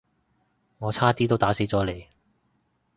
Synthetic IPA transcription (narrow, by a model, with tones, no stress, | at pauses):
ŋɔː˨˧t͡sʰaː˥t̪iː˥t̪o˥wt̪aː˨˥se˨˥jt͡sɔː˨˥le˨˧j